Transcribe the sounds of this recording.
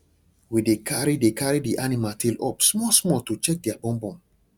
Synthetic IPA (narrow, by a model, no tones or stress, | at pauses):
widekʰaɹidekʰaɹidiʔanimatʰilɔpsmɔsmɔtut͡ʃɛk̚dɛabɔ̃mbɔ̃m